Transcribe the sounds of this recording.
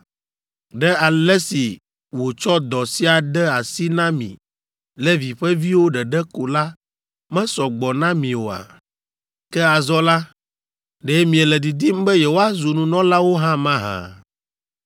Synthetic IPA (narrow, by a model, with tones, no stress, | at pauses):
ɖɛ˦a˨lɛ˦si˨ | wo˨t͡ʃɔ˦d̪ɔ˨si˦a˨ɖɛ˦a˨si˦nã˦mḭ̃˨ | lɛ˦vi˨ɸɛ˦vi˦wo˦ɖɛ˨ɖɛ˦ko˨la˦ | mɛ̃˦sɔ˨ɡ͡bɔ˨nã˦mĩ˨wo˨a̰˨ | kɛ˦a˨zɔ˦la˦ | ɖe˦mĩ˨ɛ˨lɛ˨d̪i˨d̪i˦m˦bɛ˦jɛ˨wo˦a˦zu˨nũ˨nɔ̃˦la˦wo˦ɦã˦mã˦ɦã̰˨